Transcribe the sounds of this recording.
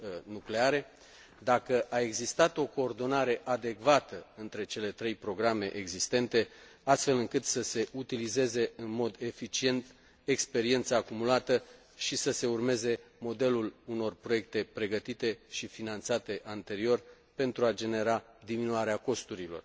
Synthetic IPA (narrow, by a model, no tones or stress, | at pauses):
nukle̞aɾe̞ | d̪akəʔae̞ɡzist̪at̪o̞ko̞ːrd̪o̞naɾe̞ʔad̪e̞kvat̪əɨnt̪ɾe̞t͡ʃe̞le̞t̪ɾe̞jpɾo̞ɡɾame̞ʔeɡzist̪e̞nt̪e̞ast̪fe̞lɨŋkɨt̪səse̞ʔut̪ilize̞ze̞ɨnmo̞d̪e̞fit͡ʃie̞nt̪ | e̞kspe̞ɾie̞nt̪saːkumulat̪ə | ʃisəse̞urme̞ze̞mo̞d̪e̞luluno̞rpɾo̞je̞k̚t̪e̞pɾe̞ɡət̪it̪e̞ʃifinant̪sat̪e̞ʔant̪e̞ɾio̞r | pe̞nt̪ɾuad͡ʒe̞ne̞ɾa | d̪iminuaɾeako̞st̪uɾilo̞̰r